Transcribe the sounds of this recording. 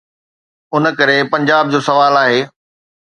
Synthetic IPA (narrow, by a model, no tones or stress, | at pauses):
ʊnəkɐɾepɐ̃ɲd͡ʑaːb̚d͡ʑoːsɐʋaːlaːɦeː